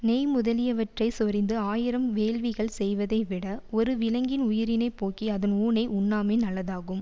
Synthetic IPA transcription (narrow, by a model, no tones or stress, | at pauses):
nɛjmʊðɐlɪjɐʋɐʈrɐɪsɔɾɪnd̪ɯaːjɪɾɐmʋeːɻʋɪɣɐɭsɛjʋɐðɐɪʋɪɽɐɔɾɯʋɪlɐŋɡɪnʊjɪɾɪnɐɪpːoːkːiɐðɐnuːɳɐɪʔʊnːaːmeːnɐlːɐðaːɣɯm